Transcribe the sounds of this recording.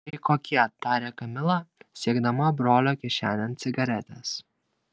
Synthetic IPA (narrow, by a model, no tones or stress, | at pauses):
ɪkoːkʲiɛt̪ɑːɾʲeːkɐmʲɪlˠɑsʲiɛɡd̪ɐmɐbɾoːlʲoːkʲiɛʃʲæːnʲɛnt̪sʲɪɡɐɾʲɛt̪ʲɛs